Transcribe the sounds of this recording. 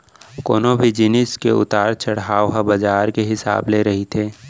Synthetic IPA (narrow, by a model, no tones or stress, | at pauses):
koːnobʱid͡ʒɪnɪskeʊ̰t̪aːɾt͡ʃɐɽɦaːoɦabɐd͡ʒaːɾkeɦɪsa̰ːbleɾɐɦit̪ʰeː